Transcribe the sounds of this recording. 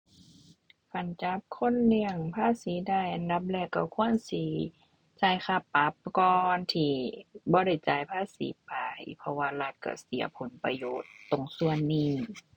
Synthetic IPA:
kʰa˧˩nt͡ɕa˧˦p̚kʰo˧˥˨nːi˧əŋpʰaː˧˥˨siː˨˦daː˧˩jʔa˧˨nda˧˦p̚lɛː˧˩kːa˧˩kʰu˧˥˨ənsiː˧˦ | t͡ɕaː˧˩jxa˧pːa˧˦p̚kɔː˧nt̪ʰiː˧˩bɔː˧˦ɾa˧˩jt͡ɕaː˧˩jpʰaː˧˥˨sḭː˨˦pa˧jpʰɔ˧waː˧la˧t̪̚ka̰˧˩si˨˦ɐpʰo˨˦npa˧joː˨˩t̪ːo˨˩ŋsu˧ənːiː˧˩

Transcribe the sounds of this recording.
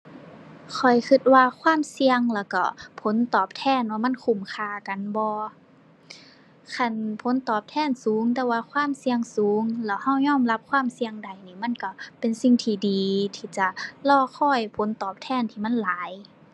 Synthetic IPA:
kʰɔ˨˩jkʰɯ˧t̪̚waː˧kʰwaː˧˥˨msi˧əŋlɛː˧˩wka̰˧˩pʰo˨˦nt̪ɔː˨˩p̚t̪ʰɛː˧˥˨nwaː˧˩ma˧˥˨nkʰu˧˩˨mkʰaː˧˩ka˨nbɔː˧ | kʰa˧˩˨npʰo˨˦nt̪ɔː˨˩p̚t̪ʰɛː˧˥˨nsuː˨˦ŋt̪ɛː˧˩waː˧kʰwaː˧˥˨msi˧əŋsuː˨˦ŋlɛː˧˩wha˧˥˩wɲɔː˧˥˨mla˧˥p̚kʰwaː˧˥˨msi˧əŋda˨˩jniː˧˩ma˧˥˨nka˧˩pe˨nsi˧ŋt̪ʰiː˧˩diː˨˩t̪ʰiː˧˩t͡ɕa˧˩lɔː˧˩xʰɔː˧˥˩jpʰo˨˦nt̪ɔː˨˩p̚t̪ʰɛː˧˩˨nt̪ʰiː˧˩ma˧˥˨nlaː˨˦j

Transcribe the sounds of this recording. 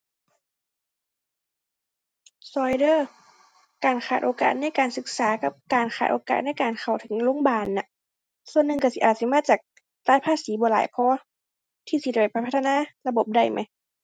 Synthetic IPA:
sɔː˧jdɤː˧˩˨ | kaː˨˩nxʰaː˨˩t̪̚ʔoː˨˧ka̰ː˨˩t̪̚na˧˥˨jkaː˨˩nsɯ˧˩k̚saː˨˦ka˧˦p̚kaː˨˩nxʰaː˨˩t̪ʔoː˨˩ka̰ː˨˩t̪̚na˥˩jkaː˨˩nkʰa˨˩wt̪ʰɯ˨˩˦ŋloː˧˥˨ŋbaː˧˩nːa˧˦ʔ | su˧ənːɯ˧˨ŋka˧˩si˧ʔaː˨˩t̪̚si˧˦˨maː˧˥t͡ɕaː˨˩k̚ | t̪aː˧˥jpʰaː˧˥˨siː˨˦bɔː˨˦laː˨˦jkʰɔː˧˥˦ | t̪ʰiː˧˩si˧da˧˩pa˨˩pʰa˧˩˧t̪ʰːnaː˧˥˨la˧bo˨˩p̚da˧˩jmʔa˧˦j

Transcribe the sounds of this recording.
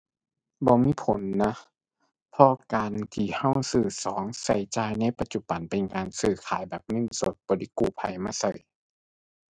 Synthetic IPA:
bɔː˧˦miː˧˥˨pʰo˨˦nːa˧ | pʰɔ˧kaː˨nt̪ʰiː˧˩ha˧˥˩wsɯː˧˩sɔː˨˦ŋsa˧˩jt͡ɕaː˧˨jna˧˥˨jpa˧t̪̚t͡ɕu˧b̥a˨˩npe˨nkaː˨˩nsɯː˧˩kʰaː˨˦jbɛː˨˩p̚nɤ˧˥˨nso˧˦t̪̚b̥ɔː˨˧˦di˧˦kuː˧˩pʰa˨˧˩jmaː˧˥˨sa̰˧˩j

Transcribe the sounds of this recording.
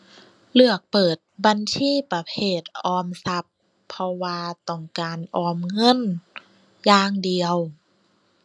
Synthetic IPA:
lɯ˧˩ək̚pɤː˨˩t̪̚ba˧˨nsʰiː˧˥˨pa˧pʰeː˧˩t̪̚ʔɔː˧msa˧˥pʰː | ɔ˧waː˧t̪ɔ˧˩ŋkaː˨nʔɔː˧˩mŋɤ˧˥˨n | jaː˧˩ŋdi˨˧əw

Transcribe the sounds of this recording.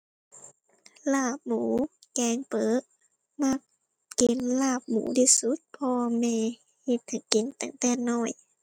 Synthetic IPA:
laː˧˩p̚muː˨˩˦kɛː˨˧˦ŋpɤː˨˦ʔ̚ | ma˧˩k̚ː | e˨˦nlaː˧˩p̚mṵː˨˩˦tiː˧˩su˧˦˥t̪̚pʰɔː˧mɛː˧˨ | he˧˩t̪̚ha˨˩˦ke˨˦nt̪a˨˩˦ŋt̪ɛː˧˩nɔː˧˩j

